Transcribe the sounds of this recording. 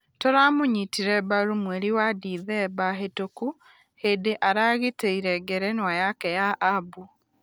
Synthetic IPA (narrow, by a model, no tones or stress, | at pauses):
toɾamoɲitiɾɛbaɾumwɛɾiwadiːðɛbaɦetoku | hedeʔaɾaɣeteiɾɛɡɛɾɛnwajakɛjaʔabu